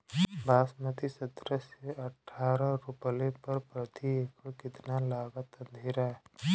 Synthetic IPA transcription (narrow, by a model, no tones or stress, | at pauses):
bʱaːsmət̪isɐt̪ɾəseɐʈʰːaːɾə̃ɾʊplepɐɾpɾɐt̪ieːkʰəkɪt̪nalaːɡət̪ɐ̃nd̪ʱeːɾaɦɛ